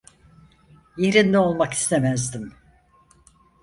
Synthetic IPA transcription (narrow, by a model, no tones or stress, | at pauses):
jeɾind̪ɛo̞lˠmaki̥st̪ʰemæzd̪im